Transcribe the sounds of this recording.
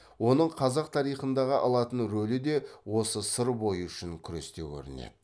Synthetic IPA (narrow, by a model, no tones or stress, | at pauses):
wo̞nəɴqʰɑzɑqt̪ʰɑɾijχənd̪ɑʁəʔɑ̰lˠɑt̪ənɾɵlɪd̪e̞wo̞səsəɾbo̞jəʏʃɪŋkʲʰʏɾe̞̰st̪e̞wkʲʰɵ̰ɾɪ̰nḛd̪ɪ